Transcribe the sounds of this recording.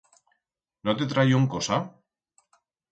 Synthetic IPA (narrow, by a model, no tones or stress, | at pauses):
not̪et̪ɾajoŋkosa